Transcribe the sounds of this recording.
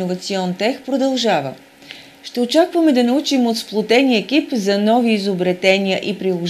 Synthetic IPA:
ovɐt̪siɔnt̪ɛxpɾod̪ɐlˠʒavə̰ | ʃt̪ɛot͡ʃakvəmɛd̪ɐnɐut͡ʃimot̪splˠot̪ɛniɛk̟ipzɐnɔviːzobɾɛt̪ɛniəʔipɾilˠoʒ

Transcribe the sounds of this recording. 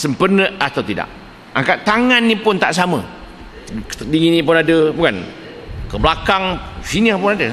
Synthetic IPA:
səmpərnəat̪awt̪ida̰ʔ̚ | aŋkaʔt̪aŋanːipʊnt̪aʔs̬amə̰ | kə̥t̪ədiŋinĩpʊnadəbukan | kəblakaŋsiniapʊnadə

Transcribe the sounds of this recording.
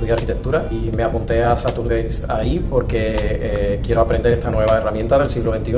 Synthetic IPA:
uðjaɾkit̪e̞k̚t̪uɾaime̞apunt̪e̞asat̪uɾðesaipo̞ɾke̞ | kje̞ɾo̞apɾe̞nd̪eɾest̪anwe̞β̞ae̞ramjent̪aðe̞lsiɣloβe̞nt̪iu

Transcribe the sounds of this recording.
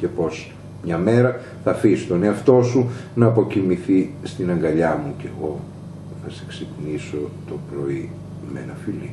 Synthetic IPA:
ce̞po̞s | mɲɐme̞ɾɐ | θɐfisit̪o̞ne̞ɐft̪o̞sunɐːpo̞cimiθist̪inɐŋɡɐʎɐmuce̞ɣo̞ | θɐse̞kseciniso̞t̪o̞pɾo̞i | mḛnɐfilḭ

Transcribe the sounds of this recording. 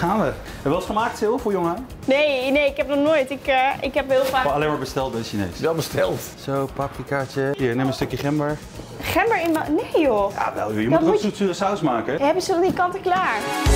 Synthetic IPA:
aːnʋə | ɛʋɛlˠsχəmaːk̚tsɪlˠfoɹjoŋən | nejnejɪkɦɛp̚nɔχnoːjtɪkəɪkɦɛpɦɪːlˠfaːalejmaːɹbəstɛlˠt̚dɛsinḛːsʋɛlˠbəstɛlˠt | sowpapkikat͡ʃəiːɹnɛmənstøkjəχɛmbəɹ | χɛmbəɹɪnmnejjoja̰ʋɛ̰lˠjjəmutsutsyːəsawsmaːkəɦɛbənsədɔndikɑntəklaːɹ

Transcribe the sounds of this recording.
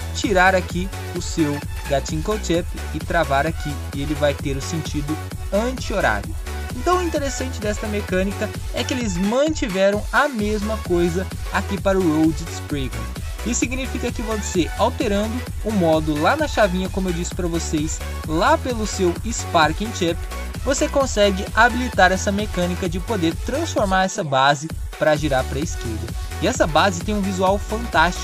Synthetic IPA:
t͡ʃiɾaɾaki | ʊsew | ɡat͡ʃĩkot͡ʃɛpɪɪt̪ɾavaɾakʰi | ɪelɪvajt̪eɾʊsẽnt͡ʃid̪ʊ | ɐ̃t͡ʃioɾa̰vew | ẽt̪ɐ̃w̃ĩt̪eɾesɐ̃nt͡ʃɪd̪ɛst̪ɐmekɐ̃nikɐ | ɛkɪelɪzmɐ̃nt͡ʃivɛɾɐ̃w̃ɐmezmɐkojzɐ | akipaɾʊɾowd͡ʒispɾiɡõ̰ | ɪsiɡnifikɐkɪvɐ̃seɾawt̪eɾɐ̃nd̪ʊ | ʊmɔd̪ʊlanɐʃavĩɲɐkõmʊewd͡ʒisʊ̥pɾɐvoses | lapelʊsewispaɾkĩt͡ʃɛp | vosekõsɛɡɪabilit̪aɾɛsɐmekɐ̃nikɐd͡ʒɪpod̪eɾt̪ɾɐ̃sfoɾmaɾɛsɐbazɪ | pɾɐʒiɾaɾpɾɐiskeɾd̪ɐ | ɪɛsɐbazɪt̪ẽj̃ũvizuawfɐ̃nt̪ast͡ʃi̥

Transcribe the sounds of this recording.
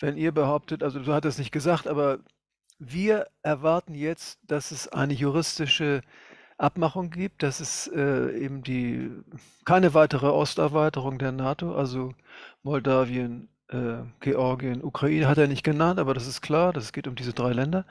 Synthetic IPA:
v̥ɛniːɐbəhaʊp̚tətʔalzozoːhatːsnɪçt̚ɡ̥əzaːxtʔaːbɐ | viːɐʔɛɐvaɐtn̩jɛt͡std̥asɛsʔa̰ɪnəjuʁ̞ɪstɪʃə | ʔapmaχʊŋɡiːp̚t̚d̥asɛsʔɛːʔḛːbm̩diː | kʰaɪnəvaɪtəʁ̞əʔɔ̰stɛɐvaɪtəʁ̞ʊŋdeːɐnaːtoʔalzomɔldaːviən | ʔɛːɡ̥eʔɔɐɡiənʔukʁ̥aʔiːnəɦateːɐnɪçt̚ɡ̥ənantʔaːbɐɾasɪst̚kʰl̥aːɐdasɡ̥eːtʊmdiːzədʁaɪlɛndɐ

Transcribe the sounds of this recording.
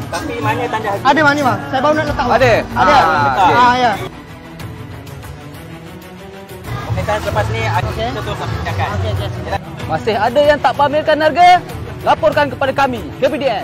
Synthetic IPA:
t̪apimanət̪aɲd͡ʒaadəmanibaŋsajabaunaʔlət̪aʔwaadəadaaja | akat̪asələpasniaketət̪ʊakid͡ʒakaokekemasɪhadajaŋt̪aʔbamɪrkanːarɡa | lapɔrkankəpadakamikepidiɛ

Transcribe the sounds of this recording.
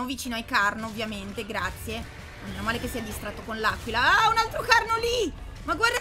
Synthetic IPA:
movit͡ʃiːnoaikarnovːjament̪eɡɾat̪sːje | nonɛnamaːlekesːiad̪ist̪ɾat̪ːokonlaːkwilaaunalt̪ɾokarnoli | maɡward̪

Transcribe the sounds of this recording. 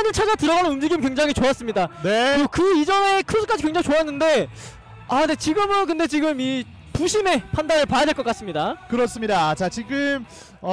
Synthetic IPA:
anɯɭt͡ɕʰad͡ʑatɯɾʌɣanɯnumd͡ʑiɡimkwe̞ŋd͡ʑaŋɦit͡ɕoas͈ɯmɲidaneokɯid͡ʑʌne̞kʰɯsʰɯ̥k͈ad͡ʑikweŋd͡ʑaŋit͡ɕoanːɯnde̞ | ane̞t͡ɕiɡɯmɯnk̬ɯnde̞t͡ɕiɡɯmi | puɕʰime̞pʰandaɾɯɭpajadweɭk͈ʌk͈as͈ɯmɲidakɯɾʌs͈ɯmɲidat͡ɕat͡ɕiɡɯm

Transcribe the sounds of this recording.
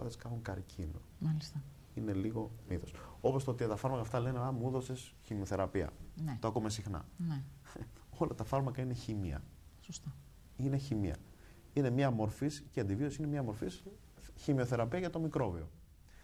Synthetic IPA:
ɐ̰ðeskɐxuŋkɐɾcʰinomɐlist̪ɐ | ine̞liɣo̞niθo̞so̞po̞st̪oot̪iɐt̪ɐfɐɾmɐkɐːft̪ɐle̞neɐmuuðo̞ses | çimio̞θeɾɐpiɐ̰nt̪oɐkumesixnɐ̰ne | o̞lɐt̪ɐfɐɾmɐkɐine̞çimiɐ̰ | sost̪ɐ | ineçimiɐ̰ | ine̞mɲɐmo̞ɾfisceɐnd̪ivio̞siinemɲɐmo̞ɾfis | çimio̞θe̞ɾɐpiɐʝɐt̪o̞mikɾo̞vio̞

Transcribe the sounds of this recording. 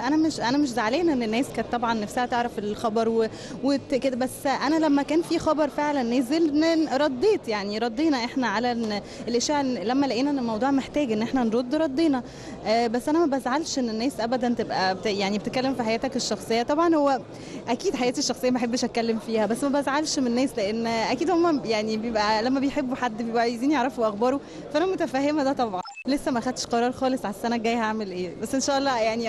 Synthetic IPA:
ʔænæmeʃʔænæmeʃ̬zaʕaleːnʔenːenːæːskæːt̪ːˤɑbʕɑnːefsehæt̪eʕɾæfelxɑbɑɾˤwe | wet̪ked̪æbæsːʔænælæmːækæːnfiːxɑbɑɾˤfeʕlænːeːzelneɾˤɑd̪ˤːeːt̪jaʕniɾˤɑd̪ˤːeːnɑʔeħnæʕalæn | ʔelʔeʃæːʕlæmːælæʔiːnænelmɑwd̪ˤuːʕmeħt̪æːɡʔenːʔeħnænɾˤod̪ːɾˤɑd̪ˤːeːnɑ | ʔæbæsːʔænæmæbʔæzʕalʃʔenːenːæːsʔæbæd̪ænt̪ebʔæbet̪jaʕnibet̪ekælːemfiħajæːt̪ækeʃːɑxsˤejːɑt̪ˤɑbʕɑnhowːæ | ʔækiːd̪ħajæːt̪iʃːɑxsˤejːɑbeħebːæʃʔæt̪kælːemfiːhæbæsːmæbæfʕalʃmnːæːsleʔenːʔækiːd̪homːæjaʕnibejebʔælæmːæbejħebːuħad̪ːbejwaʕjeziːnjeʕɾˤɑfoweʔɑxbɑːɾˤo | fæʔænæmot̪æfæːɦemæd̪æt̪ˤɑbʕɑn | lesːæmæʔæxæd̪ʃqɑɾˤɑːɾˤxɑːlesˤʕaæsːænæɡæjhaʕmelʔeːbæsːʔenʃæːʔɑlːɑːjaʕni

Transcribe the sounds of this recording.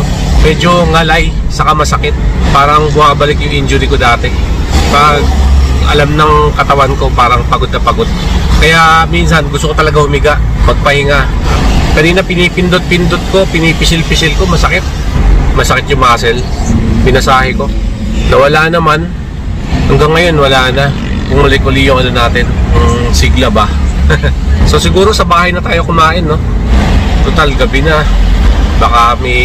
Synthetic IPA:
mɛd͡ʒo̞ŋɐlaj | sɐkɐmɐsɐkɪt̪̚paːɾɐŋbʊmaːbɐlɪkjʊŋʔɪnd͡ʒʊɾɪkod̪aːt̪ɛ | pɐɡ̚ʔɐlamnɐŋkɐt̪ɐwanko̞paːɾɐŋpɐɡod̪̚nɐpɐɡod̪̚kɐjaʔminsɐnɡʊst̪okot̪ɐlɐɡahʊmɪɡaʔmɐɡ̚pɐhɪŋakɐniːnɐpɪnipɪnd̪ot̪̚pɪnd̪ot̪̚ko̞pɪnipɪsɪlpɪsɪlko̞mɐsɐkɪt̪̚mɐsɐkɪt̪jʊŋmɐkɐsɛlpɪnɐsaːhɪko̞ | nɐwɐlaːnɐman | hɐŋɡaŋːɐjo̞nwɐlaːnɐ | kʊŋmɐlɐjkʊliːjʊŋʔɐlonaːt̪ɪnɐŋsɪɡlabɐ | so̞sɪɡuːɾo̞sɐbaːhɐjnɐt̪aːjo̞kʊmaːʔɪnːo̞ | t̪ot̪alɡɐbɪnɐ | bakamɛ

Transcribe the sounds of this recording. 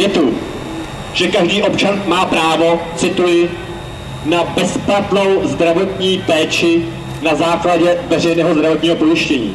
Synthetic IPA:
jɛt̪u | ʒ̥ɛkaʒdiːʔo̞pt͡ʃanmaːpɾaːvo̞t͡sɪt̪ujɪ | nabɛsplat̪no̞wzd̪ɾavo̞t̪ɲiːpɛːt͡ʃɪ | nazaːklaɟɛvɛrɛjnɛːɦozd̪ɾavot̪ɲiːɦo̞po̞jɪʃcɛɲḭː

